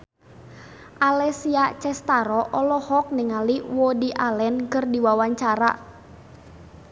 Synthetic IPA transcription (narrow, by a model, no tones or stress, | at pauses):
ʔalɛsiat͡ʃɛst̪aɾɔʔɔlɔhɔk̚niŋaliwɔdiʔalɛnkərdiwawaɲt͡ʃaɾa̰